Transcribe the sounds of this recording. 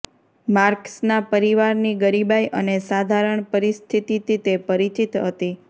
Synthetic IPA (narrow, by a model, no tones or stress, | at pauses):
maɾksnapəɾiʋaɾniɡəɾibajʔənesad̪ʱaɾəɳpəɾist̪ʰit̪it̪it̪epəɾit͡ʃit̪ɦət̪i